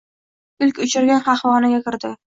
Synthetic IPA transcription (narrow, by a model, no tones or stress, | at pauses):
ɪlkʲʊt͡ʃɪɾɡʲanχɑχwɒnɪɡʲakʲɪɾd̪ɪ